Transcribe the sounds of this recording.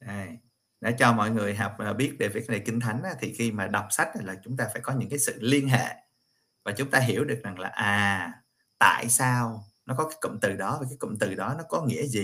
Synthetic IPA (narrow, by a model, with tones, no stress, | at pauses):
ʔaː˨˩j | ɗa̰ː˧˥t͡ɕɔ˧mɔ̰˧˨jŋɨ˨˩əjɦa˨˩wk͡p̚ʔːɓi˦˥ət̚ɗe˧˩ve˨˩kna˨˩jkï˧ŋ̟t̪ʰa˨˦jŋ̟ʔa˨˦t̪ʰi˨˩xi˧maː˨˩ɗa˨˩wk͡p̚sa˦˥jk̟̚ːlaː˨˩t͡ɕʊ˨˦ŋ͡mt̪aː˧faː˧˩jkɔ˨˦ɲɨ̰˧˥ŋkaː˨˦jsɨ̰˧˨li˧ənɦḛ˧˨ | vaː˨˩t͡ɕʊ˨˦ŋ͡mt̪aː˧ɦi˧˩əwɗɨ˨˩ək̚za˨˩ŋlaː˨˩ʔaː˨˩ | t̪a̰ː˧˨jsaː˧wnɔ˨˦˥kɔ˨˦kaː˨˦jkə̰˧˨ŋ͡mt̪ɨ˨˩ɗɔ˨˦vaː˨˩kaː˨˦jkə̰˧˨ŋ͡mt̪ɨ˨˩ɗɔ˨˦nɔ˨˦kɔ˨˦ŋḭ˧˥əzi˨˩